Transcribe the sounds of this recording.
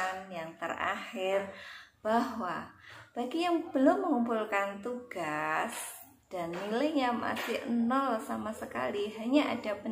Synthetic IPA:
njaŋt̪əra̰hɪrb̥aɦwab̥aɡijaŋb̥əlʊmːəŋumpulkant̪uɡ̥as | d̥anːiləɲama̰sɪhʔənɔlsamasəka̰liɦaɲaʔa̰d̥apə

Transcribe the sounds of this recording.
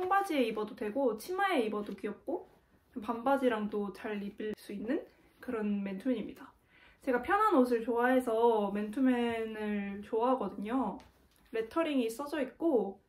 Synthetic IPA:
t͡ɕʰʌŋbad͡ʑieibʌdodwe̞ɡot͡ɕʰimaeibʌdokiʌk̚k͈o | pambad͡ʑiɾaŋdot͡ɕaɭːibis͈uinːɯn | kɯɾʌnme̞ntʰumɲimɲida | t͡ɕe̞ɡapʰjʌnɦanos̬ʰɯɭt͡ɕoaɦe̞sʰʌme̞ntʰumenɯɭt͡ɕoaɦaɡʌdɯɲo | ɾe̞tʰʌɾiŋis͈ʌd͡ʑʌik̚k͈o

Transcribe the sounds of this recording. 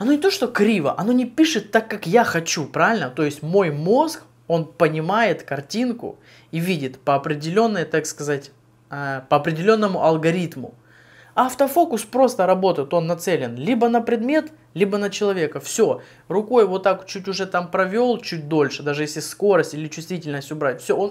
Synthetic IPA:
ɐno̞nʲɪt̪oʂt̪o̞kɾʲivə̰ʔɐno̞nʲɪpʲiʂɨt̪ːakːakjaxɐt͡ɕupɾavʲɪlʲnət̪o̞jɪsʲtʲmo̞jmo̞sk | o̞npənʲɪmajɪt̪kɐrtʲinkʊ̰ | ivʲidʲɪt̪pəɐpɾʲɪdʲɪlʲo̞nːəjət̪akskɐzatʲ | əpəɐpɾʲɪdʲɪlʲo̞nːəmʊʔɐlˠɡɐɾʲit̪mʊ̰ | aft̪əfo̞kʊspɾo̞st̪əɾɐbo̞t̪əjɪt̪o̞nːɐt̪sɛlʲɪnlʲibənəpɾʲɪd̪mʲe̞t̪ | lʲibənət͡ɕɪlˠɐvʲe̞kəfsʲo̞ | rʊko̞jvot̪ːakt͡ɕut̬ʲʊʐɛt̪ampɾɐvʲo̞lˠt͡ɕut̚ʲd̪o̞lʲʂɨd̪aʐɨjesʲlʲɪsko̞ɾəsʲtʲilʲɪt͡ɕʊ̥st̪vʲitʲɪlʲnəsʲtʲʊbɾatʲfsʲoon

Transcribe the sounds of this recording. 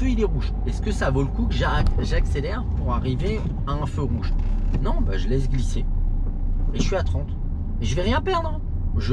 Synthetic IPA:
føilɛʁuʒ | ɛskəsavoləkukʒakʒakselɛʁpuʁaʁive | aɛ̃føʁuʒnɔ̃baʒəlɛsɡlise | eʃɥiat̪χɑ̃t̪ | eʒəvɛʁjɛ̃pɛʁd̪ʁə | ʒə

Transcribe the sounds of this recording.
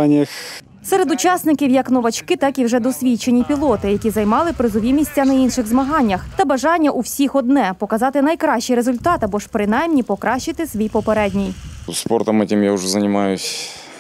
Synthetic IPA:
nʲɪx | sɛɾed̪ʊt͡ʃɑsnɪkʲiwjɐknɔʋɐt͡ʃkɪt̪ɑkiwʒɛd̪ɔsʲʋʲit͡ʃe̞nʲipʲilˠɔt̪ɪjɐkʲizɐjmɑlˠɪpɾɪzɔʋʲimʲisʲtʲːɐnɐinʃɪɣzmɐɦɑnʲːɐxt̪ɐbɐʒɑnʲːɐʔuwsʲixɔd̪nɛpɔkɐzɑt̪ɪnɐjkɾɑʃt͡ʃːɪjɾezʊlʲt̪ɑt̪ɐbɔʃpɾɪnɑjmnʲipɔkɾɑʃt͡ʃɪt̪ɪsʲʋʲijpɔpeɾɛdʲnʲijspɔrt̪ɔmɛtʲɪmjaʊʒɛzɐnʲɪmɑjʊsʲ

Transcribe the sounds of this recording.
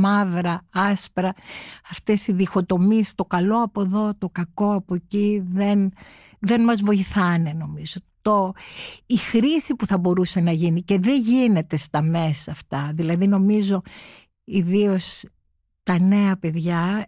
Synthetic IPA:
mɐvɾɐɐspɾɐɐft̪esiðixo̞t̪o̞mist̪o̞kɐlo̞ɐpo̞ðo̞t̪o̞kɐko̞ɐpo̞ciðe̞n | ðe̞nmɐzvo̞iθɐne̞no̞mizo̞t̪o | ixɾisipuθɐbo̞ɾuse̞nɐʝinice̞ðe̞ʝine̞t̪e̞st̪ɐme̞sɐːft̪ɐðilɐðino̞mizo̞ | iðio̞s | t̪ɐne̞ɐpe̞ðʝɐ

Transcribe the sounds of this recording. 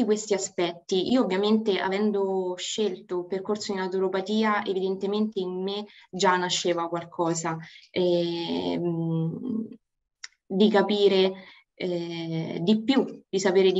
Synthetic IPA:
ikwest̪iaspɛt̪ːiʔiːoːvːjament̪eʔa̰vɛnd̪oʃːelt̪operkorsod̪inawt̪uɾopat̪iːaʔevid̪ent̪ement̪eimːed͡ʒanaʃːeːvakwalkʰɔːzaɛ | d̪ikapiːɾe | ɛd̪ipːjud̪̥isapeːɾed̪i

